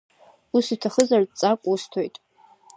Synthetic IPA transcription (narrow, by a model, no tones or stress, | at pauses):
usitʰaχəzardt͡sʼakʷʼustʰo̞jtʼ